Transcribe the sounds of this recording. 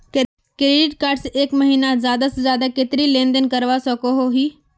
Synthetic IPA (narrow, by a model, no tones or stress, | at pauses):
kɾeːɖɪʈkaːɾɖseʔeːkməɦiːnazjaːd̪asezjaːd̪akɪt̪ɾilẽːnd̪ənkəɾʋasəkoɦoɦiː